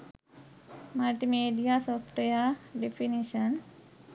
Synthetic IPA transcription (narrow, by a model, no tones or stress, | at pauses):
malʈimeɖijasɔfʈəjaɖefiniɕən